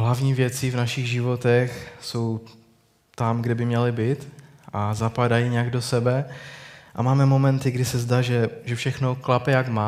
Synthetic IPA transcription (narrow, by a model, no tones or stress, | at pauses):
ɦlavɲiːvjɛt͡sivnaʃɪɣʒɪvo̞t̪ɛxso̞w | t̪amɡdɛbɪmɲɛlɪbiːt̪ | ʔazapadajiɲɛaɡdosɛbɛ | ʔamaːmɛmo̞mɛnt̪ɪɡdɪsɛzdaʒɛʒɛfʃɛxno̞klapɛjaɡma